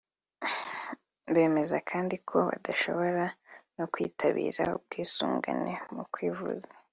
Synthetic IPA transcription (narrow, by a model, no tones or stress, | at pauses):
be̞ːme̞zakʰaːndikʰo̞βa̰daʃo̞̰βo̞ɾanokwiːtʰaβḭːɾaub̚ɡ̥iːsuːŋɡanemukwiːvṵzḁ